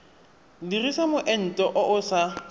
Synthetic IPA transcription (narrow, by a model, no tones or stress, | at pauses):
dirisamʊʔɛn̩tʼɔʔʊʔʊsa